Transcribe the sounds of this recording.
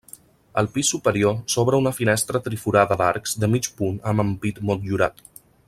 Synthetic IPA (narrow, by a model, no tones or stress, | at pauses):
ə̰lˠpisːupəɾiosɔβɾəunəfinɛst̪ɾət̪ɾifuɾaðəðaɾkz̥d̪əmit͡ʃpunəməmpit̪mɔt̪̚ʎuɾat̪